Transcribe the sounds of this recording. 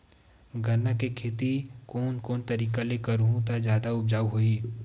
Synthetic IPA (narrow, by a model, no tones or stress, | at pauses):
ɡʱɐnːakekʰeːt̪ikoːnkoːnt̪ɐɾiːkaleːkəɾuɦũt̪ad͡ʒjaːd̪aʊb̚d͡ʒaːuɦoi